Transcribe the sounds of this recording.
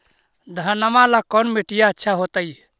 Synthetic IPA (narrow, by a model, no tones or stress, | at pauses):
d̪ʱənəmalakɔnmeʈijaətːʃʰaɦot̪əj